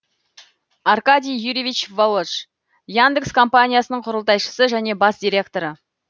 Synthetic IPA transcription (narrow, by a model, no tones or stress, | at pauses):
arkad̪ʲijjuɾʲivʲit͡ʃvolˠoʃ | jand̪əkskʰo̞mpanʲijasənəɴqʰʊɾəlˠt̪ɑjʃə̥səʒæne̞bɑsd̪ʲijɾʲe̞k̚t̪o̞ɾə